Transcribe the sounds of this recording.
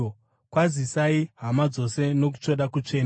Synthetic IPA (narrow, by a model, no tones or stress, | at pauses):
kwazisaiɦamad͡zo̞se̞no̞k̬u̥t͡ʂo̞ɗakut͡ʂe̞ːn